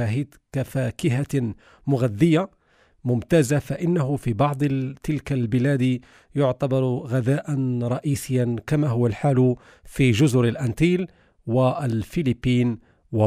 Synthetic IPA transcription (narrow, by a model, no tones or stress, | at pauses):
aɦid̪kafaːkɪɦa | mʊɣad̪ːɪjːa | mʊmt̪aːzafaʔɪnːaɦʊfibɑʕd̪ˤt̪ɪlkalbɪlæːd̪ | jʊʕt̪ɑbɑɾˤɣad̪aːʔanɾˤɑʔiːsɪjːankamaɦʊwːalħaːlʊ | fiʒʊzʊɾɪlʔænt̪iːl | walfɪlɪpːiːn | wa